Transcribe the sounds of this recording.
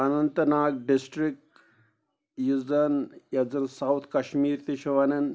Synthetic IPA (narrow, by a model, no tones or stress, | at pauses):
anɐnt̪ɐnaːɡ̚ɖisʈɾik̚ʈ | jid͡zɐnjɐd͡zɐnsawt̪ʰkɐʃmiːɾt̪iʃɐʋɐnɐn